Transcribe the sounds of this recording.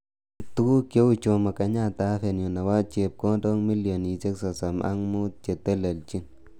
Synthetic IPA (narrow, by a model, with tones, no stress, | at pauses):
t̪u˦ku˦kjo˦u˨t͡ʃo˨ma˨ka˨ɲa˦˨t̪a˨˦fe˨njo˨na˨wa˦t͡ʃe˨p̚kɔ˦dɔ˦ŋmi˦ljo˨ni˨t͡ʃe˦ksɔ˨sa˨mʔa̰˦ŋmu˦t̚t͡ʃe˨t̪ɛ˦le˨lt͡ʃi˦ŋ